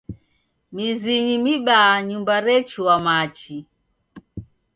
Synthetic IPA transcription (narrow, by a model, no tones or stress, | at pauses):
miziɲimiɓaːɲumbaɾɛt͡ʃuwamat͡ʃi